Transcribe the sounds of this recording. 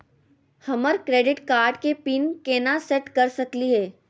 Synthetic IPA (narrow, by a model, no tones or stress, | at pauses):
hɐməɾkɾeːɖɪʈkaːɾɖkepinkeːnasɛʈkɐɾsɐkliɦɛː